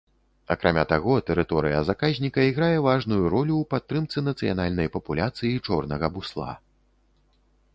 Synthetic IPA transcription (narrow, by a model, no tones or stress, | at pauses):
ɐkɾʔamʲat̪aɣɔt̪ɛɾɨt̪ɔɾɨjɐ̰zakazʲnʲikɐiɣɾajɛvaʐnujuɾɔlʲuːpat̪ːɾɨmt̪sɨnɐt̪sɨjanalʲnɐjpɐpulʲat̪sɨjit͡ʂɔrnɐɣɐbuslˠa̰